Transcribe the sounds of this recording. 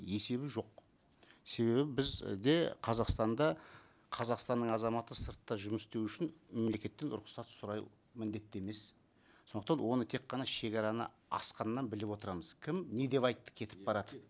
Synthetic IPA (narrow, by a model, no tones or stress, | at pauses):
e̞se̞βɪʒo̞q | se̞βe̞bɪbɪzd̪e̞qʰɑzɑqst̪ɑnd̪ɑ | qʰɑzɑqst̪ɑnːəɴɑzɑmɑt̪əsəɾt̪ːɑʒʊməst̪ewʏʃɪnme̞mle̞kʲe̞t̪ːe̞nʊ̰ɾʊqsɑt̪sʊɾɑj | mɪnd̪e̞t̪ːeme̞s | sonəqt̪ɑnwo̞nət̪ʰe̞qːɑnɑʃe̞kʲɑɾɑnə̰ | ɑ̰sqɑnəːɑnbɪlɪpwo̞t̪əɾɑməz̥kʲʰɪmne̞d̪e̞βɑjt̪ːə̥kʲʰe̞t̪ɪ̥p̚bɑɾɑd̪ə̥p